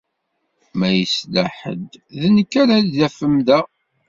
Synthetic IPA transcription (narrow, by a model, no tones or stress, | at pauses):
mæjəslæħə̰d̪ðənəkːæɾælðæfəmðæ